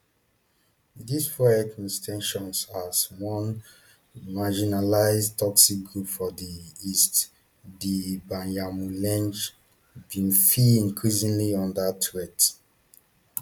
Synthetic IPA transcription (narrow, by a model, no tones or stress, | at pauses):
disfɔɛkĩstʰɛ̃nʃɔ̃nsaswɔ̃n | mad͡ʒinalaɪztʰɔksik̚ɡɹupfɔdiist | dibãnjamulɛ̃nd͡ʒ | bĩnfiĩŋkʰɹisĩŋliɔ̃ndətʰɹɛt